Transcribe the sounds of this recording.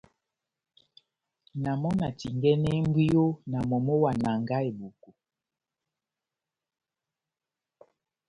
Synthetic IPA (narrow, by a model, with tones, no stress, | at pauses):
na˨mɔ˦na˨ti˨ŋɡɛ˦nɛ˦m˦bwi˦jo˦na˨mɔ˨mɔ˦wa˨na˨ŋɡa˦e˨bu˨ko˨